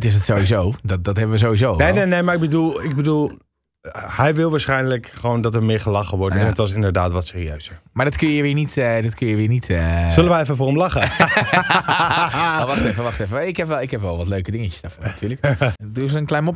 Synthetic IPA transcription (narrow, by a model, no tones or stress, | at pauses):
tɪs̬ətsowʋizowdɔtdɔtɦɛbəʋəzowizonenenejmaɹɪɡbədulˠɪɡ̚bədulˠ | hɛjʋɪlˠʋaːɹsχɛjnləkχəʋoːndɔtəɹmɪːɹχəlɑχəʋɔɹtɛətʋɔs̬ɪndəɹdaːtʋɔtsɪːriø̰ɥzəɹmaɹdɔtkøjəjəʋɪːnitdɔtkʰøjjəʋɪːɹnitʰəzɵləʋəjɛfəfʊːɹəmlɑχə | ʋɑxtɛfəʋɑχtɛfəɛɪkhɛpʋɛlˠɪkhɛpʋɛlˠʋɔtløɥkədɪŋəcə̥sdaɹfɔnatyːləkduzəənklɛjnmop